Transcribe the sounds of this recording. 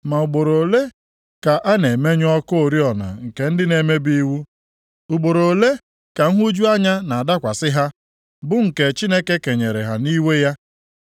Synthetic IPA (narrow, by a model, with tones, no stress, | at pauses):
ma˨u˨ɡ͡bo˨ɾo˨le˦ | ka˨ʔa˦ne˨me˦ɲ˦ɔ˦ko˦o˨ɾi˦ɔ˨na̰˨ŋ̩˨ke˨n̩˦dɪ˦ne˨me˦bi˦wu˦ | u˨ɡ͡bo˨ɾo˨le˦ | ka˨ŋ̩˦ɦu˦d͡ʒu˦a˦ɲa˦na˨a˨da˦kʷa˨sɪ˦ɦa˦ | bʊ˦ŋ̩˨ke˨t͡ʃi˦ne˦ke˦ke˨ɲe˨ɾe˨ɦa˨ni˦we˦ja˦